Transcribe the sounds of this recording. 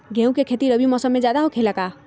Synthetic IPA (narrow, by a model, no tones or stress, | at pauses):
ɡʱɛ̃ũkekʰet̪iɾəbimɔsəmːẽd͡ʒjad̪aɦokʰelaka